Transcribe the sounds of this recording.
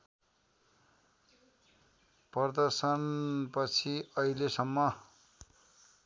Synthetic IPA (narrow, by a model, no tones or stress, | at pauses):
pʌrd̪ʌrsʌnpʌt͡sʰiʌilesʌmːʌ